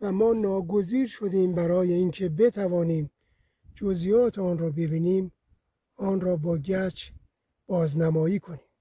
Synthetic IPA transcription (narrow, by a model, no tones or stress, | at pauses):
væmɒːnɒːɡoziːɾʃod̪iːmbæɾɒːje̞iːŋkʰebe̞t̪ʰævɒːniːm | d͡ʒozijɒːt̪ʰeɒːnɾɒːbe̞biːniːm | ɒːnrɔːbɒːɟæt͡ʃʰ | b̥ɒːznæmɒːiːkʰoniːm